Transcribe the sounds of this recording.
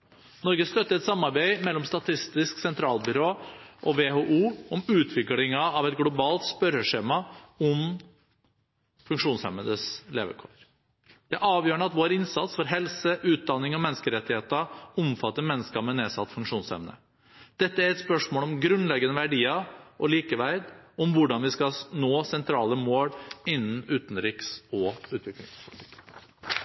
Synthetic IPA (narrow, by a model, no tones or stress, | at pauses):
nɔɾɡəst̪œt̪ːəɾɛt̪sɑmːɑɾbæɪmɛlːɔmst̪ɑt̪ʰɪst̪ɪsksɛnt̪ʰɾɑːlbʏɾoːʔɔʋeːhoːʔuːɔmʉːt̪ʰʋɪklɪŋɑɑʋɛt̪̚ɡlʊbɑːlt̪spœɾəʂeːmɑɔm | fʉŋkʂuːnshɛməd̪əslḛːʋə̰kʰoːɾ | d̪̥ɛʔɑːʋjøːɾəɳəɑt̪ʋoːɾɪnsɑt̪sfɔɾɦɛlsəʔʉːt̪̚d̪ɑnːɪŋɔmɛnːskəɾɛt̪ːɪheːt̪əʊmfɑt̪ːəmɛnːəskɑmɛneːsɑt̪ːfʉŋkʂuːnshɛ̰ʋnə̰ | d̪̥ɛt̪ːəæɾɛt̪spœʂmoːlɔmɡɾʉnlɛɡənəʋæɖiːɑʔɔliːkəʋæɪd̪ɔmʋʊɖɑnʋɪskɑnoːsɛnt̪ʰɾɑːləmoːɽɪnːn̩ʉːt̪n̩ɾɪksɔʉːt̪ʋɪklɪ̰ŋspʰʊlɪt̪ʰɪk